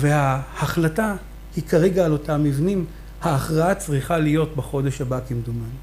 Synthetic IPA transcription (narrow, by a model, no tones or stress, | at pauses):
ve̞hahaχlata | hikaʁeɡaːlo̞tamːivnim | haːχʁaat͡sʁiχalijo̞tbeχo̞de̞ʃhabakimd̪uman